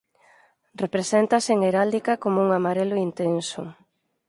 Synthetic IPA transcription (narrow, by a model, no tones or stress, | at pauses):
rrepɾesent̪aseŋeɾald̪ikakomouŋamaɾelʊint̪ensʊ̰